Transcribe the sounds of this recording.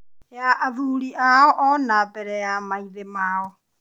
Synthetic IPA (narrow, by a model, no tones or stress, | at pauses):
jaaβuːliʔaɔʔɔnabɛɾɛjamaiðemaːɔ